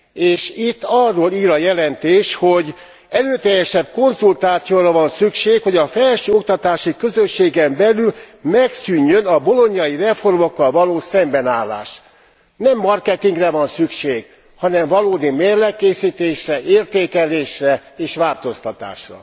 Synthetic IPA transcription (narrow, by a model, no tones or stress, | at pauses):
eːʃit̪ːɒrːoːliːɾɒjɛlɛnt̪eːʃho̞ɟ | ɛløːt̪ɛjːɛʃɛb̚ko̞nzult̪aːt̪sijoːɾɒvɒnsykʃeːkho̞ɟɒfɛlʃøːo̞k̚t̪ɒt̪aːʃikøzøʃːeːɡɛmbɛlyl | mɛksyɲːønɒbo̞lo̞ɲjɒjirɛfo̞rmo̞kːɒlvɒloːsɛmbɛnaːlːa̰ːʃ | nɛmːɒrkɛt̪iŋɡrɛvɒnsykʃeːɡ | hɒnɛɱvɒloːd̪imeːrlɛkːeːsiːt̪eːʃrɛʔeːrt̪eːkɛleːʃrɛeːʃʋaːlt̪o̞st̪ɒt̪a̰ːʃrɒ̰